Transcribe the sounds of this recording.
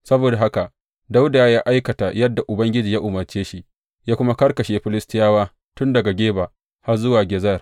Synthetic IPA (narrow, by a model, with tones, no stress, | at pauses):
sɐ˦boː˨da˨ɦa˦ka˨ | da˦wda˨jaː˦ʔa˦jkɐ˨ta˨jɐ˦dːa˨ʔʊ˨bɐ˦ŋɡʲɪ˦d͡ʒiː˨ja˦ʔʊ˨mɐ˨rt͡ʃeː˦ʃi˦ | jaː˦kʷʊ˦ma˦kɐ˦rkɐ˨ʃeː˦ɸɪ˦lɪ˦stɪ˦jaː˦waː˦ | tʊ˦ndɐ˨ɡa˨ɡʲeː˦baː˨ | ha˦rzʊ˦waː˨ɡʲɛ˨zɐ˦˨r